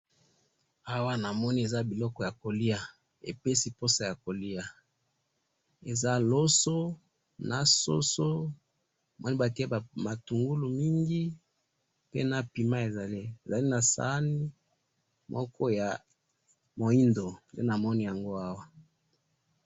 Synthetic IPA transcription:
a˦wa˦na˨mɔ˦ni˦e˨za˦bi˨lɔ˦kɔ˨ja˨ko˨li˦a˨ | ḛ˨pe˦si˨po˦sa˨ja˨ko˨li˦a˨ | e˨za˦lo˦so˦ | na˨so̰˦so˦˨ | mʔɔ˦ni˦ba˨ti˦e˦˨ma˨tu˨ŋɡu˦lu˨mi˦ŋɡi˦ | pḛ˦na˨pi˨ma˦e˨za˨li˦e˨za˨li˦na˨sa̰˨˦ni˦ | mɔ˦kʰɔ˦ja˨ | mo˨i˦ndo˨ndḛ˦na˨mɔ˦ni˦ja˨ŋɡo˦a˦wa˦

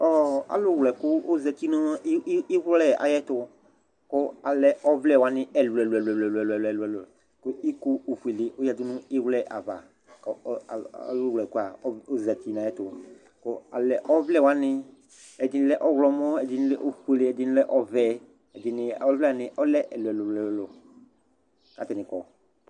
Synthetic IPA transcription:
ɔ˦˨a̰˨lʊ˦˨wlɛ˨kʊ˦o˦za˧ti˦nɔ̃˦a˦ʔɪ˦wlɛ˨a̰˨jɛ˦tʊ˧ | kʊ˦a˨lɛ˦ɔ˦vlɛ˦˨wa˨˦nɪ˦ɛ˨lʊ˨ɛ˨lɛ˨lɛ˨lɛ˨lʊ˨ɛ˨lɛ˨lɛ˨lʊ˨ɛ˨lɛ˨ | kʊ˦i˦ku˦o˨fu˨e˨le˨ʔʊ˦ja˨dʊ˦nʊ̃˦ɪ˦wlɛ˦˨ʔa˨va̰˨ | kɔ̰˨˦˨wlɛ˨ku˦a˨˦o˦za˨ti˨na˨jɛ˦tʊ˨ | kʊ˦a˨lɛ˨ʔɔ˦vlɛ˦˨wa˦nɪ˦ | ɛ˨dɪ˨nɪ̃˦lɛ˦ʔɔ˦ɣlɔ˧˨mɔ˦ɛ˨dɪ˨˦nɪ˦lɛ˦ʔo˦fu˦e˨le˨˦ɛ˨dɪ˧nɪ˦lɛ˦ʔɔ˦vɛ˨ | ɛ˨dɪ˨nɪ˧ɔ˦vlɛ˦˨nɪ˨ʔɔ˦lɛ˦ʔɛ˨lʊ˨ɛ˨lɛ˨ɛ˨lɔ˨ | ka˨tɛ˨nɪ̃˨kɔ˨

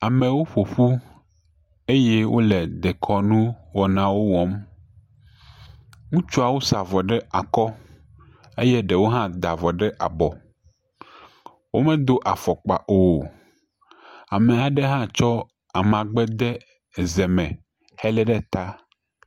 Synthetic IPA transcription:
a˨mẽ˨wo˦ɸo˨ɸu˦ | e˦jɛ˦wʔo̰˦lɛ˨d̪e˨kʰɔ˦nũ˦wɔ˨nã˦wo˦wɔ˦m | ŋũ˦t͡ʃu˦a˨wo˦sa˨vɔ˨ɖɛ˦a˨kɔ˦ | e˦jɛ˦ɖɛ˨wo˦ɦã˦d̪a˨vɔ˨ɖɛ˦ʔa˨bɔ˨ | wo˦mɛ̃˦d̪o˦ʔa˨fɔ˨k͡pa̰˨ʔo˨ | a˨me˨a˨ɖe˦ɦã˦t͡ʃɔ˦ | a˨mã˨ɡ͡bɛ˦d̪ɛ˦˨ | zɛ˨mɛ̃˨ | hɛ˦lɛ˦ɖɛ˦t̪a˦

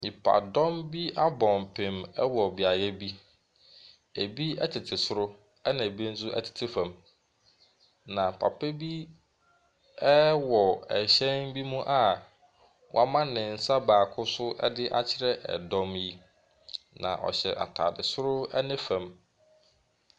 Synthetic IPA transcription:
ɲi˨pʰa̰˨dɔ̃˦mbi˦a˦bɔ̃˨mpʰẽ˨mɛ˦wɔ˨bɪ˨a˨jɛ˦bi˦ | e˨bi˦ɛ˦tʰɪ˨tʰɪ˨sʊ˦ɾʊ˦ | ɛ˦nɪ̃˨bĩ˦n̩˦s̬ʊ˦ʔɛ̰˦˨tʰɪ̥˨tʰɪ˦fã˨m | nã˨pʰa̰˨pɛ˦bi˦ | ɛ˦wɔ˨ɛ˨ɕɛ̃˦nbi˦mũ˦ʔa˨ | wɔ̰˨˦a˦mã˦nɪ̃˨n̩˦sa˦baː˨kʰʊ˦sʊ˦ʔɛ̰˦dɪ˦ʔa˦t͡ɕʰɪ˦ɾɛ˦ʔɛ̰˨dɔ̃˦mji˦ | nã̰˨ʔɔ̰˨ɕɛ̰˨ʔa̰˨tʰa̰ː˨dɪ˨sʊ˦ɾʊ˦ɛ̰˦nɪ̃˦fã˨m

